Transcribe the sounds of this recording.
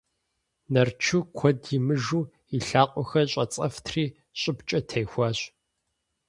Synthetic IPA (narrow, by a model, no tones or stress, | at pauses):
nɐrt͡ʃʰukʷʰɔdjimɨʒuː | iɬaːqʷʼɔxɐɕʼɐt͡sʼɐftʰriː | ɕʼɪpt͡ʃʼɐtʰɐjxʷɑːɕ